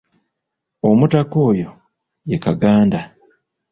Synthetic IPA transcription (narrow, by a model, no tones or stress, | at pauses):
o̞mutako̞ːjo̞ | je̞kaɡaːnda